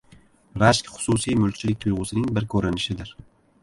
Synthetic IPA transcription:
ɾaʃkʲχʊ̥susijmʊlk̚ʲt͡ʃʰɪlɪk̚ʲt̪ʰʊjʁʊsɪnɪŋbɪɾkʰɵɾɪnɪʃɪd̪ɪɾ

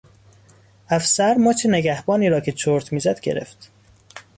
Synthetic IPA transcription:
æfsæɾmoːt͡ʃʰeneɡæhbɒːniːɾɒːcʰet͡ʃʰoɾt̪ʰmiːzæd̪ɡe̞̰ɾḛft̪

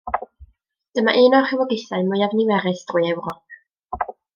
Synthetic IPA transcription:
d̥əmaʔɨːnɔχɛwɔɡɪθaɨmʊjavniwɛɾɨsd̥rujɛwrɔp̚ʰ

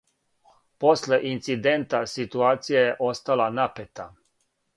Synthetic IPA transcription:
po̞sle̞ʔint̪sid̪e̞nt̪asit̪uaːt̪sijaje̞ʔo̞st̪alanapet̪a

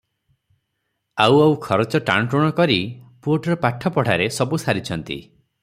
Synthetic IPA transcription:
awawkʰɔɾɔt͡ʃɔʈa̰ɳ̃ʈuɽ̃ɔkɔɾipuoʈɔɾɔpaʈʰːɔpɔɽ̤aɾesɔbusaɾit͡ʃʰɔnt̪ḭ

